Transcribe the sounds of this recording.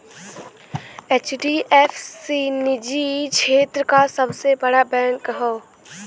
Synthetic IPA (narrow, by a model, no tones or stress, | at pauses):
eːt͡ʃɖiʔefsiːnɪd͡ʒit͡ʃʃʰeːt̪ɾəkasɐbsebɐɽabɛ̃ːɳkəɦoː